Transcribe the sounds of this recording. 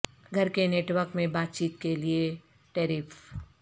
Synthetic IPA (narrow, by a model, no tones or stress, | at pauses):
ɡʱɐɾkeneːʈwəɾkmẽbaːt̪̚t͡ʃiːt̪kelie | ʈɛːɾɪːf